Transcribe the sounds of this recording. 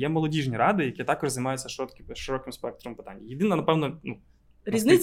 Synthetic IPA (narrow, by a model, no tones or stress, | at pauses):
jɛmɔlˠɔdʲiʐnʲiɾɑd̪ɪjɐkʲit̪ɑkɔʒzɐjmɑjʊt͡sʲːɐʃkʃɪɾɔkɪmspɛk̚t̪ɾɔmpɪ̥t̪a̰nʲːɐjɪd̪ɪnɐnɐpɛwnɔnu | ɾʲiznʲ